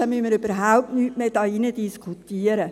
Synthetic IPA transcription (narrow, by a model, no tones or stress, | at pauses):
ɑmyməɾøb̥əɾɦawp̚tnyːtmeːd̥ɑːinədiskʰut̪iəɾə